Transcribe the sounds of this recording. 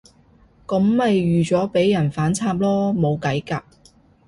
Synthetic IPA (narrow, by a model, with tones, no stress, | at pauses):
kɐ˨˥mːɐ˨jɥyː˨t͡sɔː˨˥pe˨˥jːɐ˨˩nfaː˨˥nt͡sʰaː˧p̚lɔː˥mo˨˧wkɐ˨˥jkaː˧p̚